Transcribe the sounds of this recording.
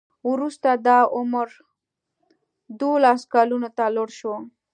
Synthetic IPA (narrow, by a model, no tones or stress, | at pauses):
wɾust̪ad̪ɑʊmɾ | d̪olɑskɑlunot̪aloɽʃwo